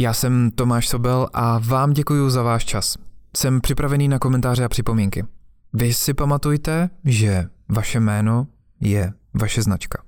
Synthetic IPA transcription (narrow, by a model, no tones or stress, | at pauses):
jaːsɛmt̪omaːʃso̞bɛlʔavaːmɟɛkujuzavaːʃt͡ʃassɛmpr̥ɪpɾavɛniːnakomɛnt̪aːr̝ɪapr̝̥ɪpo̞miŋkɪvɪsɪpamat̪ujt̪ɛʒɛvaʃɛmɛːno̞ | jɛ | vaʃɛznat͡ʃkḁ